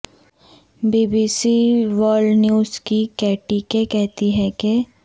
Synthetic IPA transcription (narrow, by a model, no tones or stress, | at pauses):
biːbiːsiʋɔːlnjuːzkikɛːʈikekɛɦt̪iɦɛke